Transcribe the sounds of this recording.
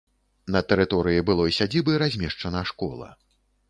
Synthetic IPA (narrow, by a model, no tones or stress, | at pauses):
nɐt̪ɛɾɨt̪ɔɾɨjibɨlˠɔisʲad͡zʲibɨɾazʲmʲɛʂt͡ʂɐnɐʂkɔ̰lˠɐ̰